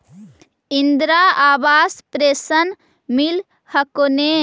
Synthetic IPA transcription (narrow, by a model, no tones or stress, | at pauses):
ind̪ɾaːaːʋaːspɾeːsɐn | mil | hɐkone